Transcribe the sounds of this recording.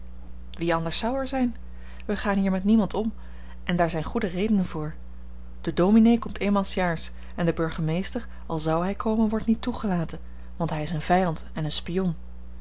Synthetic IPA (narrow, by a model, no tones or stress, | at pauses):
ʋiɑndəɹsɑwɛɹzɛjn | ʋəχaːnɦiːɹmɛtnimɑntɔm | ʔɛndaːɹzɛjnχudərejdənənvʊːɹ | d̥ədowminejkɔmtejnmaːlˠsjaːɹs | ɛndəbɵɹχəmejstəɹ | ɑlˠzɑwɦɛjkʰowmənʋɔɹtnitːuχəlaːtən | ʋɑntɦɛjɪsənvɛjɑntɛnənspijɔn